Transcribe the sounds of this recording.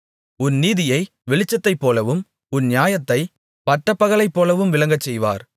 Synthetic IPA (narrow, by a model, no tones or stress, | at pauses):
ʊnniːðɪjɐɪ | ʋɛɭɪt͡ʃːɐt̪ːɐɪpːoːlɐʋɯm | ʊnnjaːjɐt̪ːɐɪ | pɐʈːɐpːɐɣɐlɐɪpːoːlɐʋɯmʋɪlɐŋɡɐt͡ʃːɛjʋa̰ːɾ